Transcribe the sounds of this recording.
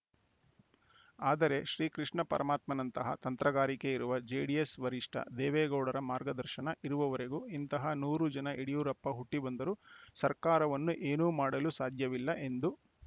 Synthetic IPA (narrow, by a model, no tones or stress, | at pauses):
aːd̪ɐɾe̞ʃɾiːkɾiʂɳɐpɐɾʔɐmaːt̪mɐnɐnt̪ɐɦɐ̰t̪ɐnt̪ɾɐɡaːɾike̞iɾuʋɐd͡ʒeːɖiesʋɐɾiʂʈʰɐ̰d̪ɛːʋɛːɡɐwɽɐɾɐmaːɾɡɐd̪ɐɾʃɐnɐʔiɾuʋɐʋɐɾe̞ɡuint̪ɐɦɐnuːɾud͡ʒɐnɐʔeɽijuːɾɐpːɐɦuʈːibɐnd̪ɐɾusɐɾkaːɾɐʋɐnːuʔe̞ːnuːmaːɽɐlusaːd̪ʱjɐʋilːɐʔe̞nd̪u